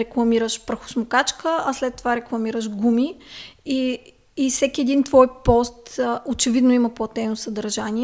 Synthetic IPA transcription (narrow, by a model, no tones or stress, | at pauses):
ɾɛklˠɐmiɾəʃpɾɐxʊ̥smʊkat͡ʃkəɐslɛt̪ːovaɾɛklˠɐmiɾəʒɡumiiː | sɛkʲiɛd̪int̪vɔjpɔst̪ot͡ʃɛvid̪noiməplˠɐt̪ɛnosɐd̪ɐɾʒani